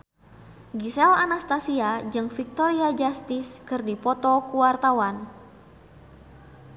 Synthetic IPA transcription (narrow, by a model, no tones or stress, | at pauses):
ɡisɛlanast̪asiad͡ʒɨŋfik̚t̪ɔɾiad͡ʒast̪iskɨrdipɔt̪ɔkuwart̪awan